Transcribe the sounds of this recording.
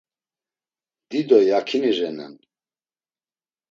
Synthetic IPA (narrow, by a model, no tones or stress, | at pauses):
d̪̥id̪ɔjakʰiniʒɛnɛ̰n